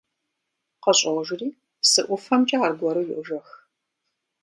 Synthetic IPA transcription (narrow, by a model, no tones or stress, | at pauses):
qɐɕʼɐʁʒɪriː | sɨʔʷʊfɐmt͡ʃʼɐaːrɡʷɔɾɨjʊʔʒɐx